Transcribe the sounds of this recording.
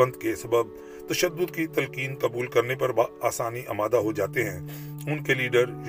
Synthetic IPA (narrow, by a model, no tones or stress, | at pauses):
ə̃nd̪kesɐbəb̚ | t̪ɐʃəd̪ːʊd̪kit̪ɐlkiːnkɐbuːlkɐɾnepɐɾbaaːsaːniʔɐ̰maːd̪aɦod͡ʒaːt̪eɦɛ̃ː | ʊnkeliːɖəɾj